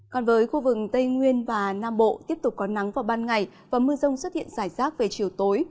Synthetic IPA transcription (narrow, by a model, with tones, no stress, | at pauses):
kɔ˨˩nvəː˨˦jxu˧vɨ˨˩k̚t̪ə˧jŋwi˧ənvaː˨˩naː˧mɓo̰˧˨t̪i˦˥əp̚t̪ʊ˨˩k͡p̚kɔ˨˦na˨˦ŋvaː˨˩wɓaː˧nŋa˨˩j | vaː˨˩mɨ˧əzə˧wŋ͡mswə˦˥t̚hḭ˧˨ənzaː˧˩jzaː˦˥k̚ve˨˩t͡ɕi˨˩əwt̪o˨˦j